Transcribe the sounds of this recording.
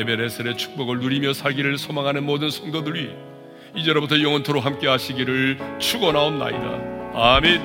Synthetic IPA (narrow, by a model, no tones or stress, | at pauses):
ebeɾesʰɯɾe̞t͡ɕʰu̥k̚p͈ʌɡɯɭnuɾimjʌsʰaɭɡiɾɯɭsʰomaŋɦanɯnmodɯnsʰʌŋdodɯɭɥi | id͡ʑʌɾobutʰʌjʌŋʌntʰoɾoɦamk͈e̞ɦaɕʰiɡiɾɯɭt͡ɕʰuɡʌnaonna̰ḭɾa̰ame